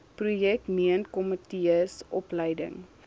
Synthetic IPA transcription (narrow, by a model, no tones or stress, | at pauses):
prujɛk̚tmiənkɔmətiəsʔɔpləjdə̰ŋ